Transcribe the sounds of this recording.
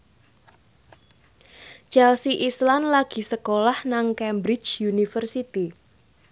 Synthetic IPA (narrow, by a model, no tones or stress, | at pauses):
t͡ʃalsiʔislanlaɡ̥i̤səkolahnaŋkɛmbɾɪ̥t͡ʃjunifərsit̪i